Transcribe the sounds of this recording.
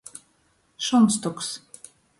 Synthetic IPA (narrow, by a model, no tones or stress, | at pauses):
ʃonst̪oks